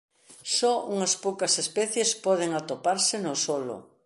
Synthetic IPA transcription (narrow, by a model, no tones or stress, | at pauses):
sɔuŋɐspowkɐsespɛθjespɔð̞eŋat̪opaɾsɪnosɔlo̰